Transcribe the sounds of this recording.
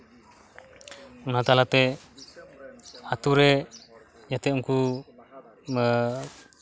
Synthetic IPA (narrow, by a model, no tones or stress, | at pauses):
unat̪alat̪ɛ | at̪uɾɛ | jat̪ɛuŋku